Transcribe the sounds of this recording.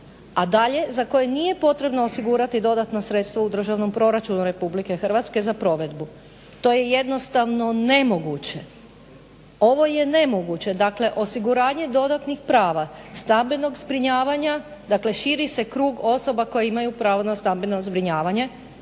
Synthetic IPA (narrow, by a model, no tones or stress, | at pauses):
ad̪aʎe̞zako̞je̞nije̞po̞t̪ɾe̞bnoːsiɡuːɾat̪id̪o̞d̪at̪nasɾet̪st̪ʋaud̪r̩ʒaʋno̞mpɾo̞ɾat͡ʃunuɾe̞publike̞xrʋat̪ske̞zapɾo̞ʋe̞d̪bu | t̪o̞je̞je̞d̪no̞st̪aʋno̞ne̞mo̞ɡut͡ɕe̞ | o̞ʋo̞je̞ne̞mo̞ɡut͡ɕe̞d̪akle̞ʔo̞siɡuɾaːɲe̞d̪o̞d̪at̪nixpɾaːʋast̪ambino̞ɡzbɾiɲaːʋaɲa | d̪akle̞ʃiɾise̞kɾuːɡo̞so̞bako̞jeimajupɾaːʋo̞nast̪ambinozbɾiɲaːʋaɲe̞